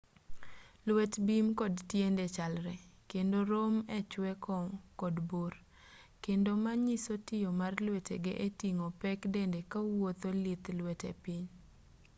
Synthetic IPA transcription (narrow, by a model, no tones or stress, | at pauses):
lwɛtbimkɔdtjendet͡ʃalɾɛkendoɾomɛt͡ʃwɛkɔkɔdbor | kendomaɲisotɪjomarlwetḛɡeʔetiŋopɛkdendekawot̪olit̪lwɛtḛpɪɲ